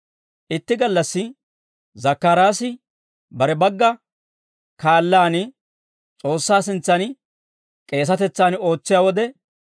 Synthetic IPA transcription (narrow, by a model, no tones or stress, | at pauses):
ʔɪt̪ːɪɡɐlːɐsːɪ | zɐkːaɾaːsɪ | bɐɾɛbɐɡːɐ | kaːlːaːnɪ | t͡sʼo̞ːsːaːsɪnt͡sːɐn | kʼe̞ːs̬ɐt̪ɛt͡sːaːno̞ːt͡sːɪjaːwɔd̪ɛ